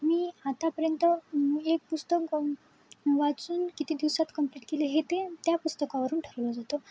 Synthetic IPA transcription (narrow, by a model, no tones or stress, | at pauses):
miːat̪apəɾjənt̪əek̚pust̪ək | ʋat͡suːnkit̪iːd̪iʋwsat̪kəmpleʈkeleɦet̪et̪japust̪əkaʋəɾuːnʈʰəɾʋlɔd͡zat̪o